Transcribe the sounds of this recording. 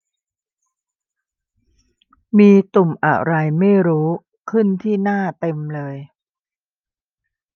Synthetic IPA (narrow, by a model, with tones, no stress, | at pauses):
miː˧t̪u˨˩mʔa̰˨˩ɾa˧jma˥˩jɾuː˦˥ | kʰɯ˥˩nt̪ʰiː˥˩naː˥˩t̪e˧mlɤː˧j